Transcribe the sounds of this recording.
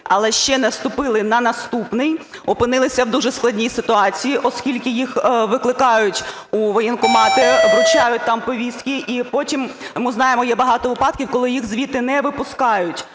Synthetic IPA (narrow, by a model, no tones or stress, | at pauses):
ɐlˠɛʃt͡ʃɛnɐst̪ʊpɪlˠɪnɐnɐst̪upnɪj | ɔpɪnɪlˠɪsʲɐwd̪uʒɛsklˠɐdʲnʲijsɪt̪ʊɑt͡sʲijiʔɔskʲilʲkɪjixʋɪklˠɪkɑjʊtʲ | uʋɔjɛnkʊmɑt̪ɪʋɾʊt͡ʃɑjʊt̚ʲt̪ɑmpɔʋʲist̪kʲɪʔipɔtʲimmɪznɑjemɔjɛbɐɦɑt̪ɔʋɪpɑd̪̚kʲiwkɔlˠɪjixzʋʲit̪ɪnɛʋɪpʊskɑjʊtʲ